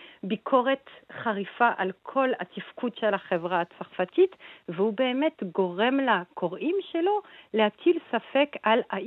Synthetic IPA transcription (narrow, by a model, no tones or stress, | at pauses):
bikʰo̞ʁetχaʁifaʔalkʰo̞lat̪ifkudʃelaχevʁaat͡saʁfatitvehubeːmetɡo̞ʁe̞mlakʰoʁimʃelo̞lehat͡silsafekala